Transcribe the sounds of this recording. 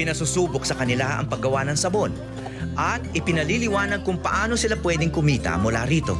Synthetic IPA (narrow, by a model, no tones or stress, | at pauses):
pɪnɐsusuːbok̚sɐkɐnɪlaɐ̰ŋpɐɡːɐwanɐŋsɐbo̞n | ʔɐt̪̚ɪpɪnɐlilɪwaːnɐd̚kʊŋpɐʔaːno̞sɪlapwɛːd̪ɪŋkʊmiːt̪ɐ̰mʊla̰ːɾiːt̪o̞̰